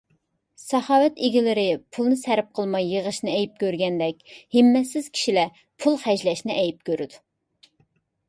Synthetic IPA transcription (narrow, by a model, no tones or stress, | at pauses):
sɑhɑːwɛt̪iɡʲilɪɾɪpʰulˠnɨsɛɾɪp̚qʰəlˠmɑjːəʁəʃnɪɛjip̚kʲøɾɡʲɛnd̪ɛkʲhɪmːɛsɪz̥kʲʰi̥ʃilɛ | pʰulˠχɛʒlɛʃnɪʔɛjip̚kʲøɾɪd̪u